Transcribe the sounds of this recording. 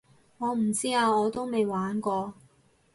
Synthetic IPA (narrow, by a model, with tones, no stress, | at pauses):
ŋɔː˨˧m̩˨˩t͡siː˥aː˧wɔː˨˧t̪o˥wme˨jwaː˨˥nkɔː˧